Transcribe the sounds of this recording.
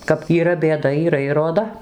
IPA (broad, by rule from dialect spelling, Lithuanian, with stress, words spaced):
kɐp iːˈrɐ bʲeːˈdɐ iːˈrɐ ɪr roːˈdɐ